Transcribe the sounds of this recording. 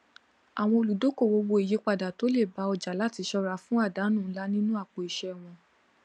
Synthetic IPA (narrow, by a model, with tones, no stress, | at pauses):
a˨w̃ɔ̃˧o˧˨lu˨do˨˦ko˦˨wo˧˦wo˧e˨je˨˦k͡pa˧˨da˨to˨˦le˦˨ba˨˦ɔ˧d͡ʒa˨la˦ti˧ʃɔ˧ɾa˨˦fũ˦a˦˨da˨˦nũ˦˨˦la˦nĩ˦nũ˦a˦˨k͡po˨i˨ʃɛ˧˦˨w̃ɔ̃˧